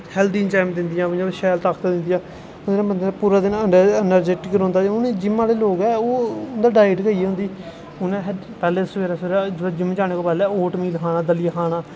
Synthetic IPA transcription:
hɛːld̪iːnt͡ʃaːmd̪ɪnd̪ɪjãːʋɪɲãːʋeʃɛːlt̪aːkʰt̪aːd̪ɪ̃nd̪ɪjãː | ʊd̪ːnãːbənd̪eːnːpuːɾaːd̪ɪnəɳɖəənəɾd͡ʒeʈɪkəɾ̃ːnd̪aːʊneːd͡ʒɪmːãːleːloːɡɛːoːʊnd̪aːɖaːɪʈkəiːɦʊ̃nd̪iː | ʊnẽːɦ | pɛːleːsəʋeːɾaːseːɾad͡ʒd͡ʒɪm̃ːd͡ʒaːñeːkoːpɛːlɛːoːʈmiːlkʰaːnaːd̪əlɪjaːkʰaːnaː

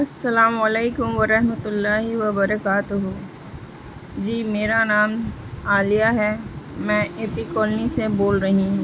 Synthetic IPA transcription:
ɐsːɐlaːmɐleːkʊmʋɐɾɐɦmət̪ʊlːaːɦɪʋɐbɐɾɐkaːt̪ʊɦʊ | d͡ʒiːmeːɾanaːmaːlijaɦɛmɛ̃ːʔeːpikɔːlniseboːlɾɐɦĩ

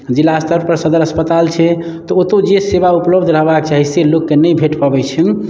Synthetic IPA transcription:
d͡ʒilast̪əɾpəɾsəd̪əɾəspət̪alt͡ʃʰɛ | t̪ɔot̪od͡ʒesebaupləbd̪ʱɾəɦbakt͡ʃaɦiselokːenəjbʱeʈpəbɛt͡ʃʰɛm

